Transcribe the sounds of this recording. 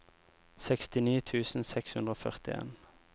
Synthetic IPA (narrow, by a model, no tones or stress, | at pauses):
sɛkst̪ɪniːt̪ʰʉːsn̩sɛkshʉnd̪ʁoːfœʁt̪ɪḛːn